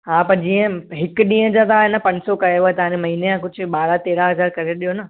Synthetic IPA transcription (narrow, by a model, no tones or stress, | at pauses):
ɦãːpɐɾd͡ʑĩːə̃ɦɪkɗĩːə̃d͡ʑat̪aːɦenəpɐ̃ɲd͡ʑsokɐeʋoet̪ɐãnemɐɦiːneãkʊd͡ʑ̆ʱɓaːɾat̪eːɾaɦɐzaːɾkɐɾeɗijonɐ